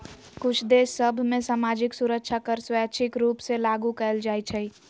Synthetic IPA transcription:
kut͡ʃʰd̪esːəbʱmesamad͡ʒiksuɾək̚t͡ʃʰakəɾswɛt͡ʃʰikɾupsẽlaɡukəɪld͡ʒajt͡ʃʰəj

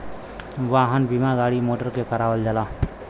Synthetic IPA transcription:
ʋaɦənbimaɡaɽimoʈəɾkekəɾaʋəld͡ʒala

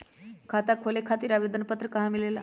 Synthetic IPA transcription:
kʰat̪akʰolekʰat̪iːɾaʋed̪ənpət̪ɾəkɐɦãmilela̰

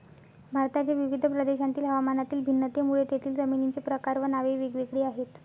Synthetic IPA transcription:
bʱaɾt̪at͡ɕaʋiʋid̪ʱəpɾəd̪eɕãnt̪iːlɦəʋamanat̪iːlbʱinːət̪emuɭet̪jet̪ʰiːld͡zəminit͡sepɾəkaɾʋənaʋiʋiɡʋikɽiːaɦet̪

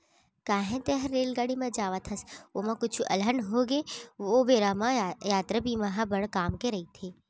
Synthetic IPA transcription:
kaːɦẽt̪eɦɐɾːeːlɡaːɽimɐ̃d͡ʒaːʋat̪ʰɐsoːmãkʊt͡ʃʰuʔɐ̰lɦɐnɦoːɡeʋoːbeːɾaːmãjaːt̪ɾɐbimɐɦabɐɽkaːmkeɾɐɦit̪ʰeː

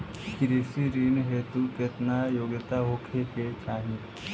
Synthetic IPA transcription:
kɪɾisiɾiːnɦeːt̪uket̪najoːɡət̪aɦoːkʰeket͡ʃaːɦĩ

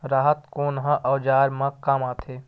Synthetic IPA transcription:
ɾaːɦət̪koːnɦə̃ʔɐːd͡ʒaːɾmɐ̃kamãːt̪ʰeː

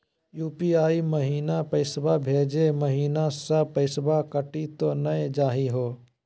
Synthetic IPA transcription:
juːpiaːiməɦiːnapɐɪsbabʱeːd͡ʒeməɦiːnasɐbpəɪsbakəʈit̪onɐed͡ʒaːɦiɦoː

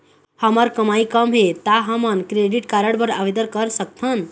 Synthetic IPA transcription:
həməɾkəmaikəmɦet̪aɦəmənkɾeɖiʈkaɾəɽbəɾaʋid̪əɾkəɾsək̚t̪ʰən

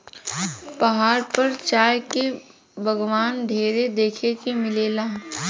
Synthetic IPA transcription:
pɐɦaːɾpɐɾt͡ʃaːjke | bʱɐɡʋaːnɖ̪ʱeːɾed̪eːkʰekemɪleːlaː

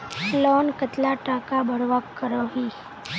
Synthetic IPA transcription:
lɔnkət̪laʈakabʱəɽʋakːəɾoɦi

